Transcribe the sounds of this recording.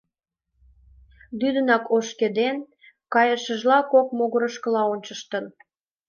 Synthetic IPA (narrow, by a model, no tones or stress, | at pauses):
d̪yd̪ənɑkʰoʃked̪en | kɑjəʃə̆ʒlɑkok̚moɣəɾəʃkəlɑonʲt͡ɕəʃt̪ən